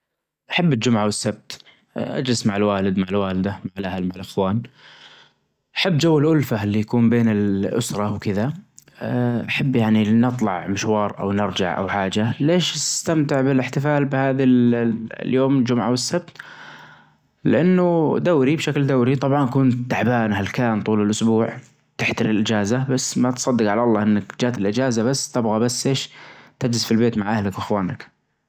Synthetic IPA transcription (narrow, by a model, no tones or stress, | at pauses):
ʔaħabːɪt̪d͡ʒʊmʕawɪsːab̚t̪ | ʔa̰d͡ʒlɪsmaʕɪlwaːlɪd̪maʕɪlwaːlɪd̪amaʕɪlʔahalmaʕalʔaxwaːn | ʔaħabːd͡ʒawːalʔʊlfalːijakuːmbeːnɪlʔʊ̰sɾˤɑwkɪða | ʔaħabːjaʕninɨt̪ˤlɑʕmɪʃwɑːɾˤʔa̰wnɪɾd͡ʒa̰ʕʔa̰wħaːd͡ʒaleːʃɪst̪amt̪ɪʕbɪlɪħt̪ɪfaːlbɪhaːðalljoːmɪld͡ʒʊmʕa̰wɪsːab̚t̪ | lɪʔanːʊd̪awɾibʃakld̪awɾit̪ˤɑbʕɑnkʊːnt̪ːaʕbaːnɦalkaːnt̪ˤuːlɪlʔʊsbuːʕ | t̪ɪħt̪aɾɪlʔɪd͡ʒaːzabasːmat̪sˤɑd̪ːɪqʕalaʔɑlˤːɑːʔɪnːakd͡ʒaːt̪ɪlʔɪd͡ʒaːzabasːt̪ɪbɣabasːʔeːʃt̪ad͡ʒlɪzfilbeːt̪maʕʔahlɪkʔɪxwaːnak